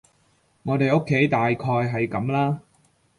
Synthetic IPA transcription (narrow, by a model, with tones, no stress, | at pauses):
ŋɔː˨˧t̪e˨jo˥kʰːe˨˥jt̪aː˨jkʰɔː˧jɦɐ˨jkɐ˨˥mlaː˥